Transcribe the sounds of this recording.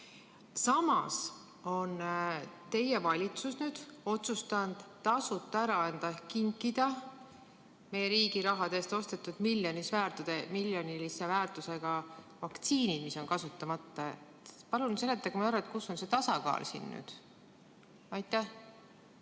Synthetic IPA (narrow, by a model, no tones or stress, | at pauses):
sɑmɑs | o̞nt̪e̞jevɑlʲit̪susnyːd̪̥o̞t̪sust̪ɑnd̪̥t̪ːɑsut̪ːˑɑæɾɑɑnd̪̥ɑkiŋkˑid̪̥ɑ | me̞jeɾiːɡiɾɑɦɑd̪e̞ːst̪o̞st̪e̞t̪ːˑud̪̥miljo̞nisvæːrt̪ud̪̥emiljo̞nilise̞væːrt̪ˑuse̞ɡ̥ɑ | vɑkt̪siːnid̪̥miso̞nkɑsut̪ːɑmɑt̪ːˑɑet̪pɑlunse̞lːet̪ːˑɑkumɑæɾɑet̪̚kusːo̞nse̞t̪ɑsɑkɑ̰ːlsḭnːy̰ːd̪̥ | ɑjt̪ːˑæh